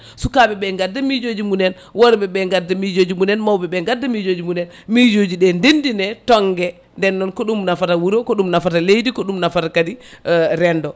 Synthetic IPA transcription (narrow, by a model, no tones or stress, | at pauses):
sukabɛɓɛŋɡadːamid͡ʒod͡ʒimunɛn | wɔɾbɛbɛŋɡadːamid͡ʒod͡ʒimunɛnmawbɛbɛŋɡadːamid͡ʒod͡ʒimunɛn | mid͡ʒod͡ʒiɗɛndendinɛtɔŋɡɛ | ndɛnːɔnkɔɗumnafatawuɾokɔɗumnafatalejdikɔɗumnafatakadiɾɛndɔ